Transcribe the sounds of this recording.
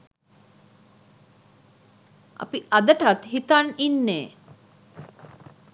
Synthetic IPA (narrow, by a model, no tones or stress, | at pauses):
ʔa̰piʔad̪əʈat̪ɦit̪aninːeː